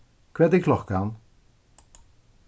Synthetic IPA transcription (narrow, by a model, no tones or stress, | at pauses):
kwɛtɪklɔxkaːn